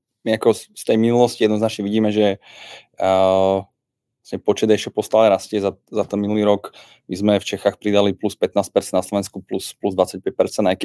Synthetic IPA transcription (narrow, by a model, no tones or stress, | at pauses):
miakɔst̪ɛjminulɔscijɛd̪nɔznat͡ʃɲɛʋiɟiːmɛʒɛ | asɲɛpɔt͡ʃɛd̪ɛʃt͡ʃɛpɔst̪alɛɾascɛzazat̪ɛnminuliːɾɔk | mizmɛft͡ʃɛxaːxpɾid̪alipluspɛt̪̚naːsc̚pɛɾtt͡sɛnnaslɔʋɛnskupluspluzd̪ʋat͡sac̚pɛc̚pɛɾt͡sɛnajkɛ